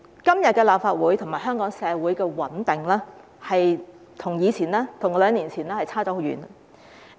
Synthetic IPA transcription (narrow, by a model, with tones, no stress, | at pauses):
kɐ˥mjɐ˨t̚kɛː˧laː˨p̚faː˧t̚wuː˨˥jt̪ʰʊ˨˩ŋmaː˨˩ɦœː˥ŋkɔː˨˥ŋsɛː˨˧wuː˨˥jkɛː˧wɐ˨˥nt̪ɪ˨ŋlɛː˥ | hɐ˨j | t̪ʰʊ˨˩ŋjiː˨˧t͡sʰiː˨˩nlɛː˥t̪ʰŋɔ˧lœː˨˧ŋniː˨˩nt͡sʰiː˨˩nɛː˥hɐ˨jt͡sʰaː˥˩ɔː˨˥ho˨˧wɥy̰ː˨˩n